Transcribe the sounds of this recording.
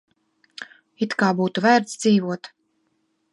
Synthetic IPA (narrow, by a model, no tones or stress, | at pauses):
it̪kaːbuːt̪uvæːɾt̪sd̪ziːvuɔt̪